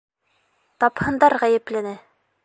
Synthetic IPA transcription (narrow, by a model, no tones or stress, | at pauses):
t̪ɑphɤ̆nd̪ɑɾʁæjɘ̆plænɘ